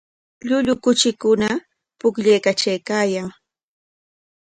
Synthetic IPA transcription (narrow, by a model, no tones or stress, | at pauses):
ʎʊʎʊkʊt͡ʃɪkʊna | pʊkʎajkat͡ʃajkaːjaŋ